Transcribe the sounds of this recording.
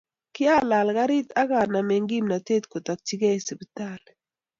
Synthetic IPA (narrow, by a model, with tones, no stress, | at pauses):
kɪ˦a˦la˨lɡa˦ɾɪ˦t̪a˦ɡa˨na˨me˨ŋɡi˦mna˨te˦t̪ko˨t̪a˨k̚t͡ʃi˦ɡɛ˦e˨si˨bi˦ta˦˨l